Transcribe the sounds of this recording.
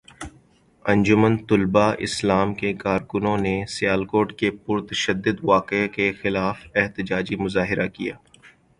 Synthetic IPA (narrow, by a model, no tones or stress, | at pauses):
ɐ̃nd͡ʒʊmənt̪ʊlbaʔɪ̰slaːmkekaːɾkʊnõnesɪjaːlkoːʈkepʊɾt̪əʃəd̪ːʊd̪ʋaːqekexɪlaːfɛɦt̪ɪd͡ʒaːd͡ʒimʊzaːɦɪɾʔakḭja̰ː